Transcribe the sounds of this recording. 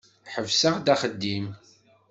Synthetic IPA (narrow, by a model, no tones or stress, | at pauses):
ħəvsəʁd̪æχəd̪ːim